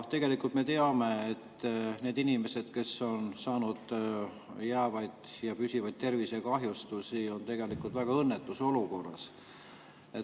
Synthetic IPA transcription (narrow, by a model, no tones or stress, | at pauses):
ht̪e̞ɡe̞likult̪me̞t̪e̞ɑme̞et̪ːne̞ːd̪inime̞se̞d̪̥ke̞so̞nsɑːnud̪̥ | jæːvɑjd̪̥jɑpysʲivɑjd̪̚t̪ːe̞rvisekɑɦjust̪usio̞nt̪e̞ɡ̥e̞likult̪væɡ̥ɑɤnːet̪ːˑuso̞luko̞rːɑ̰s | et̪